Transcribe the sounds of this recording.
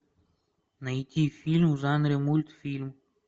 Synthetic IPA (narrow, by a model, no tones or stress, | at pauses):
nɐjt̪ʲifʲilʲmʐanɾʲemulʲt̪fʲilʲm